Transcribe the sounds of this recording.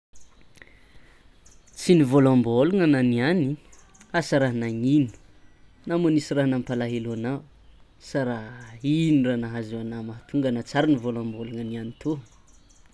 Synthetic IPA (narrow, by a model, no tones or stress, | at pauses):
t͡sinivolãmboluŋananiani | asaɾaɦnaŋinu̥ | namonisiraɦnampalaɦeluanaw | saɾainiranaɦazewanamaat̪ʰuŋɡanat͡saɾinivolãmboluŋanianit̪ʰu